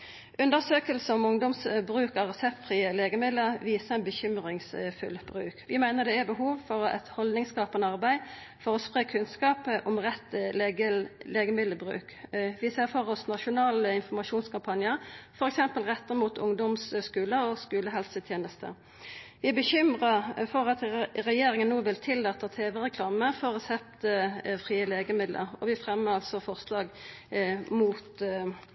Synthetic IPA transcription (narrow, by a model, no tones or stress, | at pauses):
ʔʉnd̪əʁsøːkəlsəɔmʊŋd̪ɔmsbʁʉːkɑʁɛsɛpt̪fʁiːəleːɡəmɪd̪əʋiːsəænbəçʏmʁɪŋsfʉ̰lb̥ʁʉ̰ːkʋɪmæɪnəʁd̪ɛæbəɦuːʋfɔʁɛ̰t̪hɔld̪nɪŋskɑːpənəɑʁbæɪ | fɔʁɔspʁeːkʰʉnskɑːpəʔɔmʁɛt̪ːəleːɡəmɪd̪əbʁʉ̰ːkʋɪseːfɔʁɔsnɑʃʊnɑːləɪnfɔʁmɑʃuːnskʰɑmpʰɑnjəʁfɔʁɛksɛmpəlʁɛt̪ːəʁmuːt̪ʰʊŋd̪ɔmsskʉːləɾɔskʉːləɦɛlsət̪ʰjeːnəst̪ə̰ | ʋɪæbəçʏmʁɑfɔʁɑt̪ʁɛjeːɾɪŋənːuːʋɪlt̪ʰɪlːɑt̪ːət̪ʰeːʋəʁɛkʰlɑːməfɔʁɔsɛpt̪əfʁiːəleːɡəmɪd̪lə̰ʁɔʋɪfʁɛmːəɑlsɔfɔʁslɑːɡ | muːt̪